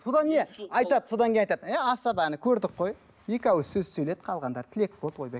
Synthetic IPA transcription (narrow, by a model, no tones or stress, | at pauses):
so̞d̪ɑnne̞ɑjt̪ɑd̪so̞d̪ɑŋkʲej̪nɑjt̪ɑd̪æɑsɑbænɪkʲʰɵɾd̪ɪqqːo̞j | je̞kʲæwsɵzsɵjlet̪qʰɑlˠʁɑnd̪ɑɾt̪ʰɪle̞k̚bolˠt̪wojbek